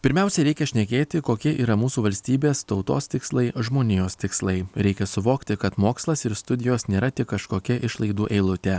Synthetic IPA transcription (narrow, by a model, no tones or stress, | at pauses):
pʲɪɾʲmʲɛˑʊsʲɛɾʲɛɪkʲɛʃʲnʲɛkʲeːt̪ʲɪkoːkʲiɛʔiːɾɐmuːsuːʋɐlʲsʲt̪ʲiːbʲeːst̪ɒʊt̪o̰ːst̪ʲɪkslˠɐɪʒmoːnʲɪjoːst̪ʲɪkslˠɐɪɾʲɛɪkʲɛsʊʋoːkt̪ʲɪkɐt̪moːkslˠɐsɪɾst̪ʊd̪ʲɪjoːsnʲeːɾɐt̪ʲɪkkɐʃkoːkʲɛʔɪʃlˠɐɪd̪uːʔɛɪlˠʊt̪ʲɛ